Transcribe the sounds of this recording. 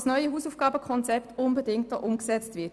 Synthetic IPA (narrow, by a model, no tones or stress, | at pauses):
snœʏəɦuːsuːfɡ̥ɑːbəkʰɔnt͡sɛptʊnbədɪŋt̚dɔ̰ʔʊmksɛt͡stvɪɐt